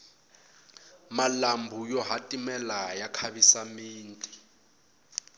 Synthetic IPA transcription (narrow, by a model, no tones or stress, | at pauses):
malambʱujɔɦatʼimɛlajakʰaβisamiːntʼi